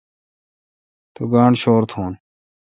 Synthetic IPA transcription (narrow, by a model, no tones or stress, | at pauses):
t̪uɡaːɳɕoːɾt̪ʰoːn